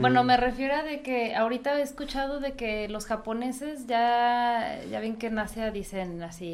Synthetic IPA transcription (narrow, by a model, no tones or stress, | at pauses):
bweno̞me̞re̞fje̞ɾoaðe̞ke̞aoɾit̪aeskut͡ʃað̞o̞ðe̞ke̞lo̞sxapo̞ne̞se̞zʝa | ʝaβeŋke̞nasjaðise̞nasi